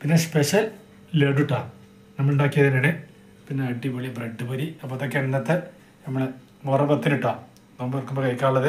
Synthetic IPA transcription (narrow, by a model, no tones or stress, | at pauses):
pinːespeʂɐl | leːɖuʈːaː | nɐmːɐɭnɖoːkːijɐðinene | pinːeɐɖːimɐɭibreɖːɨpɐɾiɐpːoɐðokːeɳɐnːɐt̪ːɨ | ɐmːɐɭe | morɐpɐt̪ːiniʈːaː | nɐmːʋɐrkːumbolɐikːaːɭːɐðɨ